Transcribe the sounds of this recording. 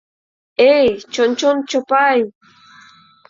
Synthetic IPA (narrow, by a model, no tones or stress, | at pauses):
ejt͡ʃont͡ʃont͡ʃopaj